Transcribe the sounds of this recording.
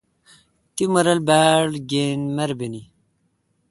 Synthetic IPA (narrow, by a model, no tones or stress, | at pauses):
t̪imɐɾɐlbaːɽɡenmɐɾbeni